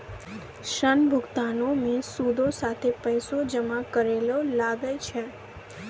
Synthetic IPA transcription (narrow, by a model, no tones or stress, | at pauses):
ʃənbʱʊɡt̪anomẽsud̪ʱosat̪ʰepəjsod͡ʒəmãkəɾelolaɡət͡ʃʰe